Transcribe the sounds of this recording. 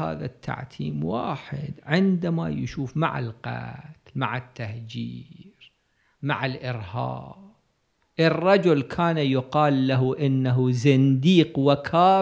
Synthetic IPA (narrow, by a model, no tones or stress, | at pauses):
ha̰ːða̰t̪ʰːa̰ʕt̪ʰiːmwaːħɪ̰d̪ʕɪnd̪amajɪʃuːfma̰ʕɪ̰lqa̰t̪lmaʕɪt̪ːahd͡ʒiːɾ | maʕɪlʔɪɾhɑ̰ːb̚ | ʔɪrˤːɑd͡ʒʊlkʰaːnajʊqɑːlːaɦuʔɪnːaɦuzand̪iːqwakʰaː